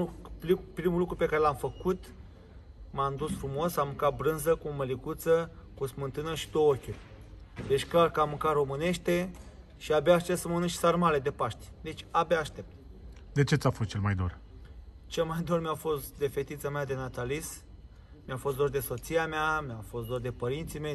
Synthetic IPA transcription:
pɾimulukɾupe̞kaɾe̞lamfəkut̪ | mand̪usfɾumo̞samɨŋkat̪̚bɾɨnzəkuoməlikut̪səkusmɨnt̪ɨnəʃi̥d̪owokʲurʲ | d̪e̞t͡ʃʲklarkəamɨŋkaromɨne̞ʃt̪e̞ | ʃiabaːʃt̪e̞pt̪səmənɨʃʲsarmale̞d̪e̞paʃt̪ʲd̪e̞t͡ʃʲabʲaːʃt̪e̞p̚t̪̚ | d̪e̞t͡ʃe̞t̪sʲafost̪̚t͡ʃe̞lmajd̪o̰r | t͡ʃe̞lmajd̪o̞rmjafo̞st̪d̪e̞fe̞t̪it̪səmʲad̪e̞nat̪alis | miafo̞s̬td̪ord̪e̞so̞t̪sijameamʲjafo̞st̪d̪ord̪e̞pəɾint̪sime̞j

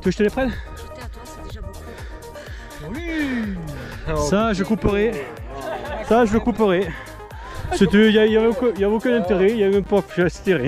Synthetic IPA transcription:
t̪yaʒət̪əlepχɛn | saʒəkupəʁe | saʒəəkupøʁe | set̪yjajavɛokjavɛokỹnɛ̃t̪eʁejavɛɛ̃pɔfʒsi̥t̪eʁɛ

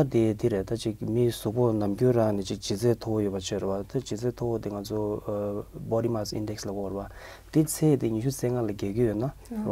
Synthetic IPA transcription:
at̪it̪iɾet̪at͡ɕik̚misuʔponamcøːraŋnɛt͡ɕik̚t͡ɕit͡seːt̪ʰowojøpat͡ɕʰørewat̪at͡ɕit͡set̪ʰowot̪iŋat͡sʰo | bɔdimasḭndɛkslaɡɔrea | t̪it͡sʰeːt̪iɲiɕut͡seːŋalakeːkijøna

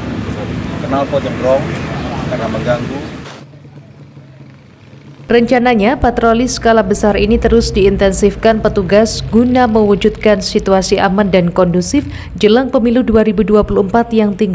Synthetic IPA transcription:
kənalpɔt͡ʃɔbɾɔŋkərnaməŋɡaŋɡu | rəɲt͡ʃanaɲapat̪ɾolisə̥kalahbəsaɾinit̪əɾʊsdiːnt̪ɛnsifkanpət̪uɡasɡunaməwud͡ʒut̪̚kansit̪uasiʔamandankɔndusɪf | d͡ʒəlaŋpəmiluduaɾibuduapuluəmpat̪jaŋt̪iŋɡ

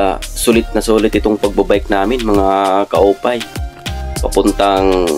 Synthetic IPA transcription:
sulɪt̪̚nɐsuːlɪt̪ɪt̪oŋpɐɡ̚babaʔɪk̚naːmɪnmɐŋakɐʔuːpaj | pɐpʊnt̪aŋ

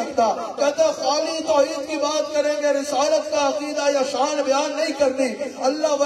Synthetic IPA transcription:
ɐɾt̪aː | kɐt̪exaːlit̪oːjit̪kibaːt̪̚kɐɾeːŋɡeɾisaːlɐt̪kɐɐqiːd̪aːjɐʃaːnbjaːnːɐjkɐɾniɐlːaɦʋɐ

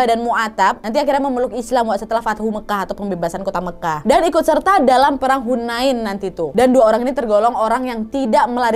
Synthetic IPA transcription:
adanmuat̪ap̚nant̪iakiɾɲaməməlʊkislamwaʔsət̪əlahfat̪̚huməkaɦat̪awpəmbebasankot̪aməkahdanikʊt̪̚sərt̪adalampəɾaŋɦunaɪnːant̪it̪udanduaoɾaŋinit̪ərɡolɔŋoɾaŋjaŋt̪idaʔməlaɾ

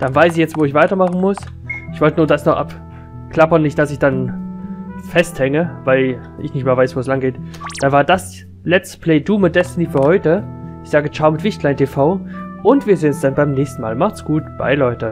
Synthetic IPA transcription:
d̥anvaɪsɪçjɛt͡stv̥oːɪçv̥aɪtɐmaχn̩mʊs | ɪçv̥ɔltənuːɐdasnɔχʔa̰p | kl̥apɐnːɪçtd̥asɪçd̥an | fɛsthɛŋəvaɪl | ʔɪ̰çnɪçtmeːɐvaɪsv̥oːslaŋɡeːtd̥anvaːɐdas | lɛt͡stpʰl̥ɛɪduːmədɛstniːfyːɐhɔʏtəɪçz̥aːɡət͡ʃaʊmɪtv̥ɪçtl̥aɪntʰefaʊʔʊntv̥iːɐzeːnsd̥anbaɪmnɛːçstn̩ma̰ːlmaχtsɡ̥uːtb̥a̰ɪlɔʏtə

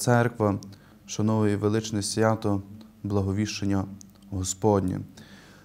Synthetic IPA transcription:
sɛrkʋɐ | ʃɐnɔʋʊjiʋelˠɪt͡ʃnɪsʲʋʲjɑt̪ɔ | blˠɐɦɔʋʲiʃenʲːɐ | ɦɔspɔdʲnʲḭ

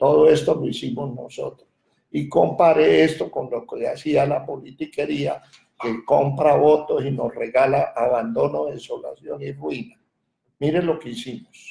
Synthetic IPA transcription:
t̪o̞ðo̞e̞st̪o̞loisimo̞zno̞̰so̞̰t̪ɾoss | iko̞mpaɾeest̪o̞ko̞nlokeasialapo̞lit̪ike̞ɾia̰ | kekompɾaβo̞t̪o̞sino̞sre̞ɣalaʔːβand̪o̞no̞ðeso̞la̰sjonirwina | miɾe̞lo̞keisimos

